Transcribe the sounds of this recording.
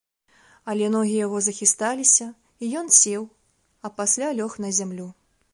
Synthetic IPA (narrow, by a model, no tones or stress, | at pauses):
ɐlʲɛnɔɣʲijaɣɔzɐxʲist̪alʲisʲɐ | ijɔnsʲɛw | ɐpasʲlʲalʲɔxnɐzʲamlʲu